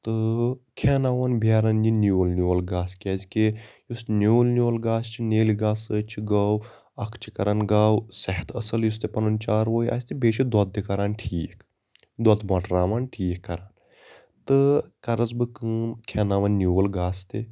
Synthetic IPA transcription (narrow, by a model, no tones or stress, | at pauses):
t̪ɨkʰɛːnaːʋɐnbʱjaːɾɐnjinolnʲuːlɡaːskʲeːzʲkʲejusnjoːlnʲjoːlɡaːst͡ʃʰineːliɡaːsəːt͡ʃʰiɡaːw | ɐkʰt͡ʃʰi̥kɐɾaːnɡaːwsɛɦt̪ʰɐsɐljust̪epɐnunt͡ʃaːɾʋoːja̰ːsʲt̪ebeːt͡ʃʰid̪ɔt̪̚d̪ikɐɾaːnʈʰiːk | d̪ɔt̪mɐʈɾaːmaːnʈʰiːkːɐɾaːn | t̪ɨkɐɾɐzbɨkɨːmkʰɛːnaːʋɐnːuːlɡaːst̪e